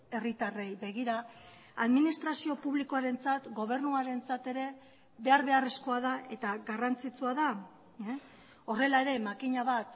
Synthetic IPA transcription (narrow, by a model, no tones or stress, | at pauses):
e̞rit̪are̞jbe̞ɣ̞iɾa | aðminist̪ɾasio̞puβliko̞aɾe̞nt͡sat̪ɡo̞β̞e̞rnuaɾe̞nt͡sat̪e̞ɾe̞ | βe̞aɾβe̞are̞sko̞aðaʔe̞t̪aɡarant͡sit͡suaða | o̞re̞lae̞ɾe̞makiɲaβat̪